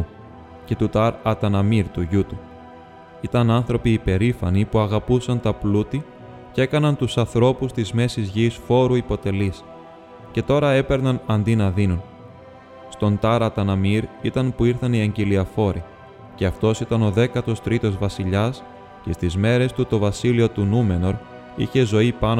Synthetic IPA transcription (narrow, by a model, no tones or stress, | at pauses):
ce̞t̪ut̪ɐɾɐt̪ɐnɐmiɾt̪uʝut̪u | it̪ɐnɐnθɾo̞piːpe̞ɾifɐnipuɐɣɐpusɐnt̪ɐplut̪i | ce̞kɐnɐnt̪usɐnθɾo̞pust̪izme̞sizʝisfo̞ɾuipo̞t̪e̞lis | ce̞t̪o̞ɾɐe̞pe̞ɾnɐnɐnd̪inɐðinun | st̪o̞nt̪ɐɾɐt̪ɐnɐmiɾit̪ɐnpuiɾθɐniɐɲɟeliɐfo̞ɾi | ce̞ɐft̪o̞sit̪ɐno̞ðe̞kɐt̪o̞st̪ɾit̪o̞zvɐsiʎɐs | cest̪izme̞ɾe̞st̪ut̪o̞vɐsilio̞t̪unume̞no̞ɾ | ḭçe̞zo̞ipɐn